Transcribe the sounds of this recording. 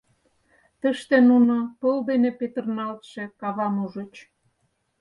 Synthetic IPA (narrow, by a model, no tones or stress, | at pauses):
t̪əʃt̪enunopəld̪enepet̪ə̆rnɑlt̪ʃĕkɑβɑnuʒə̆t͡ɕ